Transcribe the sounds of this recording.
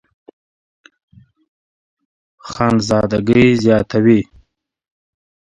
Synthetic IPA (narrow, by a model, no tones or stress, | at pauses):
xɑːnzɑːd̪aɡəjzjɑːt̪awi